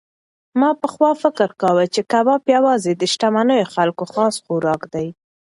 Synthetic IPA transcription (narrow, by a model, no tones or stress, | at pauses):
mɑpəxwɑfɪkəɾkawət͡ʃekabɑpjawɑzed̪əʃʈamanəjoxalkoxɑsxuɾɑkd̪aj